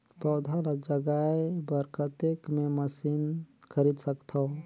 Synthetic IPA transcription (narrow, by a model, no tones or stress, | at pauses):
pɔːd̪ʱalad͡ʒəɡaebəɾkət̪ekmẽməsinkəɾid̪səkt̪ʰo